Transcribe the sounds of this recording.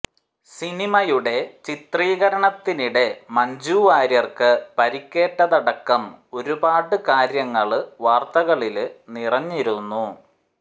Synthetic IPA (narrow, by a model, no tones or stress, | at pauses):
sinimɐjuɽe̞t͡ɕit̪riːɣɐɾɐɳɐt̪ːiniɽe̞mɐɲd͡ʑuːʋaːɾjɐrkɨpɐɾikʲːe̞ːʈːɐðɐɽɐkːɐmo̞ɾubaːʈɨkaːɾjɐŋːɐɭʋaːrt̪ɐɣɐɭilnirɐɲːiɾunːu